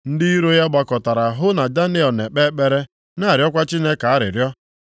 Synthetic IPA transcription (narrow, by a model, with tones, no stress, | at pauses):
n̩˦dɪ˦i˦ɾo˦ja˦ɡ͡ba˨kɔ˨ta˨ɾa˨ɦʊ˦na˨da˦ne˦ɔ˨ne˨k͡pe˦k͡pe˦ɾe˦ | na˦˨ɾjɔ˦kʷa˦t͡ʃi˦ne˦ka˨a˦ɾɪ̰˨ɾjɔ˦